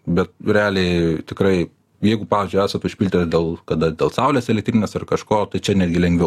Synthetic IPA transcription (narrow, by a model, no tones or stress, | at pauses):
bʲɛt̪̚ɾʲɛɑːlʲeɪt̪ʲɪkɾɐɪ | jɛɪɡʊpɑːʋʲeːzʲd͡ʒʊɪæːsɐt̪ʊʃʲpʲilʲt̪ʲɪt̪d̪ʲeːlˠkɐd̪ɐd̪ʲeːlˠsɐʊlʲeːsɛlʲɛkt̪ʲɾʲinʲeːsɐrkɐʃkoːt̪ɐɪt͡ʃʲɛnʲæːd̪ʲɡʲɪlʲɛŋɡʋʲɛʊ